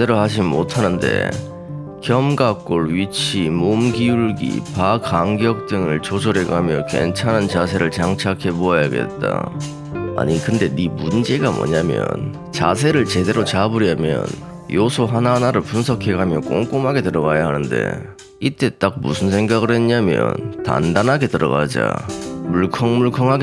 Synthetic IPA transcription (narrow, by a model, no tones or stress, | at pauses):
e̞ɾohad͡ʑimotʰanɯnde̞̰ | kjʌmɡak̚k͈oɭɥit͡ɕʰimomɡiuɭɡḭpakaŋɡjʌk̚t͈ɯŋɯɭt͡ɕod͡ʑʌɾe̞ɡamjʌke̞̰nt͡ɕʰanant͡ɕasʰe̞ɾɯɭt͡ɕaŋt͡ɕʰakʰe̞boajaɡe̞̰t̚t͈a̰ | a̰ɲikɯnde̞nimund͡ʑe̞ɡamwʌ̰ɲamjʌ̰n | t͡ɕasʰe̞ɾɯɭt͡ɕe̞de̞ɾot͡ɕabuɾjamjʌ̰n | josʰoɦananaɾɯɭpunsʰʌkʰe̞ɡamjʌk͈o̰ŋk͈omɦaɡe̞tɯɾʌɣajaɦanɯnde̞̰ | it͈e̞t͈ak̚mṵsʰɯns̬ʰe̞ŋɡaɡɯɾɦe̞nɲamjʌ̰nta̰ndanɦaɡe̞tɯɾʌ̰ɣa̰d͡ʑa̰muɭkʰʌŋmuɭkʰʌŋɦaɡ